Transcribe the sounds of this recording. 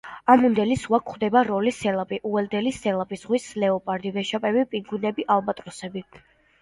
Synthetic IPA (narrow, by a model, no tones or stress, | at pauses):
amund̪ɛlisuwakʰχd̪ɛbaɾɔlisɛlapʼiʔuɛld̪ɛlisɛlapʼisʁwislɛɔpʼaɾd̪ivɛʃapʼɛbipʼiɡunɛbiʔalˠbat̪ʼɾɔsɛbi